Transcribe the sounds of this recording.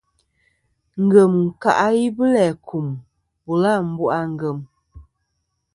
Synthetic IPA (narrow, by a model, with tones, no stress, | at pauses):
ŋ̩˨ɡə˨mŋ̩˨ka̰˨ʔa˦ji˦bə˦lɛ˨kʰu˨m | bu˨la˦˨m̩˦bu˦ʔa˦ŋ̩˨ɡə˨m